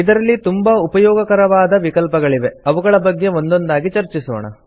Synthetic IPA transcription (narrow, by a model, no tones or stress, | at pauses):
id̪ɐɾɐlːit̪umbaupɐjɔːɡɐkɐɾɐʋaːd̪ɐʋikɐlpɐɡɐɭiʋe̞ɐʋuɡɐɭɐbɐɡːe̞o̞nd̪o̞nd̪aːɡit͡ʃɐɾt͡ʃiso̰ːɳɐ̰